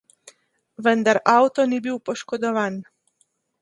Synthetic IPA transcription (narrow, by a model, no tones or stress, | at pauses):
ʋənd̪aɾawt̪ɔnibiwpɔʃkɔd̪ɔʋaːn